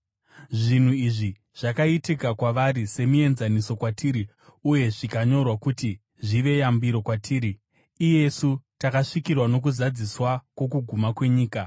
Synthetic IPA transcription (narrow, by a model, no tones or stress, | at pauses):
ʐin̤uiʐi | ʐ̥akaitikakwaʋaɾise̞mue̞nzaniso̞kwatiːɾi | uje̞ʐikaɲo̞rwakuti | ʐiʋe̞jambiɾo̞kwatʰiːɾiː | je̞sutakaʂikirwano̞k̬uzad͡ziswakwo̞kuɡʱumakwe̞ɲiːka